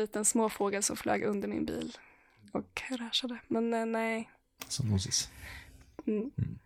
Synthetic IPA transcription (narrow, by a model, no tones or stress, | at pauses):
iːt̪ənsmoːfoːɡəlsɔmflø̰ːɡɵnd̪əɾmɪ̰nbḭːl | ɔkɾæːʂad̪əmɛnnɛ | sɔnuːsɪs̩